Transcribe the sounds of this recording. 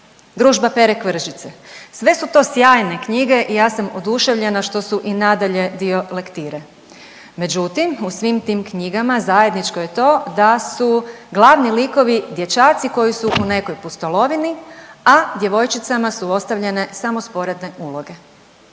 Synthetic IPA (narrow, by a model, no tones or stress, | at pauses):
d̪ɾuːʒbape̞ɾekʋr̩ʒit̪sesʋe̞sut̪o̞sjaːjne̞kɲiɡe̞ʔijaːsamod̪uʃe̞ʋʎe̞naʃt̪o̞suʔinad̪aʎe̞d̪io̞le̞kt̪iɾe | med͡ʒut̪imusʋimt̪iːmkɲiɡamazaje̞d̪nit͡ʃko̞je̞t̪o̞ːd̪asuɡlˠaʋniliko̞ʋid̪je̞t͡ʃaːt̪siko̞jisuʔune̞ko̞jpust̪o̞lo̞ʋiniad̪je̞ʋo̞jt͡ʃit̪samasuo̞st̪aʋʎe̞ne̞samospo̞ɾe̞d̪ne̞ʔulˠo̞ɡe̞